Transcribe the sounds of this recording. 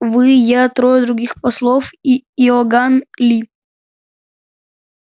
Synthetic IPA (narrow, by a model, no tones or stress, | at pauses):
vɨjat̪ɾojɛd̪ɾʊɡʲixpɐslˠofiɔɡanlʲi